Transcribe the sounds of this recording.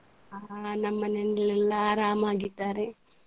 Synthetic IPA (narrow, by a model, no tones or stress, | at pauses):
aːnɐmːɐnɛnɐlɛlːɐːɾaːmaːɡit̪ːaːɾe